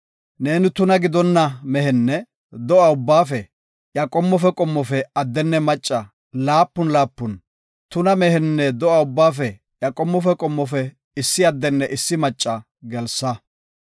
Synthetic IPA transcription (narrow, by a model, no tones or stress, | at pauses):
ne̞ːnɪt̪ʊnɐɡɪd̪ɔnːɐmɛhɛnːɛ | d̪ɔʔɐʊbːaːfɛ | jɐkʼɔmːɔfɛkʼɔmːɔfɛɐd̪ːɛnːɛmɐt͡ʃʼːɐ | laːpːʊnlaːpːʊn | t̪ʊnɐmɛhɛnːɛd̪ɔʔɐʊbːaːfɛ | jɐkʼɔmːɔfɛkʼɔmːɔfɛ | ɪsːɪɐd̪ːɛnːɛʔɪsːɪmɐt͡ʃʼːɐ | ɡɛlsːɐ